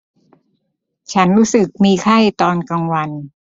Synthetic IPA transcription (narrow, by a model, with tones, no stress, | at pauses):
t͡ɕʰa˦˥nɾuː˦˥sɯ˨˩k̚miː˧kʰa˥˩jt̪ɔː˧nka˧ŋwa˧n